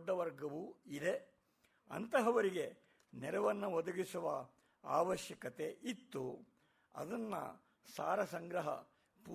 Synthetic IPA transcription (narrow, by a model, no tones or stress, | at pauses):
ɖːɐʋɐɾɡɐʋuid̪e̞ | ɐ̰nt̪ɐɦɐʋɐɾiɡe̞ | nɛɾɐʋɐnːɐʋɔd̪ɐɡisuʋɐ | a̰ːʋɐʃjɐkɐt̪e̞ʔit̪ːu | ɐ̰d̪ɐnːɐ̰ | sa̰ːɾɐsɐŋɡɾɐɦɐ̰ | pu